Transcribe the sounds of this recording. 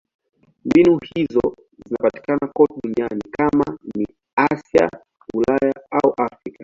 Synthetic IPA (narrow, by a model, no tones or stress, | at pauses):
mbinuhizɔ | zinapati̥kanakɔtɛɗunianikamani | asja̰ | ulajaauʔafɾika